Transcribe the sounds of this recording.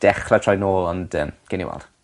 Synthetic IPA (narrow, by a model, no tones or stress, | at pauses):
d̥ɛχlˠatʰrɔjnoːlˠɔndəːmɡ̥ɪnḭwɛ̰lˠd̥